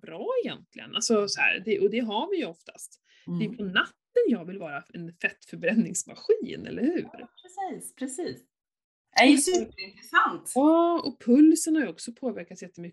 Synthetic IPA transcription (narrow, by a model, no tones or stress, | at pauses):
bɾɑːɛjɛ̰nt̪lɪ̰ə̰nʔalsɔsɔhæ̰ːɾd̪ɛʔɔd̪ɛɦaɾvɪjɵɔft̪ʰḁst̪ | d̪ɛjɵpʰɔnat̪ːənjɑːɡvɪlvɑːɾaɛnfɛt̪ːfœɾbɾɛnːɪŋsma̰ɧiːnɛ̰lːəɾhʉ̟̰ːɾpʰɾɛsiːspʰɾɛsiːs | æjsʉpɾɪnt̪ɾɛsant̪ɑːɔpʰɵlsənhaɾjɵɔksɔpʰoːvæɾkat̪sjɛt̪ːəmʏ